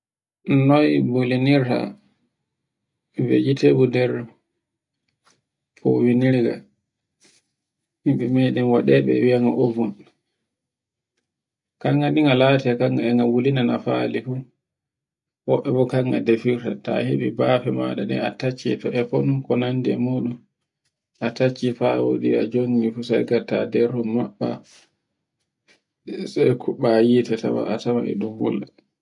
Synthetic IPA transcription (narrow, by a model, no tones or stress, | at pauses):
nɔjboliniɾta̰ | wḛd͡ʒitebudɛɾ | pʰɔwiniɾɡa̰ | himɓɛmɛjɗɛmwaɗɛɓɛ̰wijaŋɡaʔovun | kaŋɡaɗiŋɡalaːtɛakaŋɡaɛŋɡawulinanafalifu | wɔɓːɛbɔkaŋɡadefiɾtata̰heɓibafɛma̰ɗaɗɛ̰atat͡ʃːitɔɛfɔnumkɔnandɛmuːɗum | ʔatat͡ʃːifawo̰diad͡ʒoŋɡifusa̰jɡata̰dɛɾummaɓːa | sajkʰuɓajitata̰wa̰ʔatamaʔɛ̰ɗumbulːa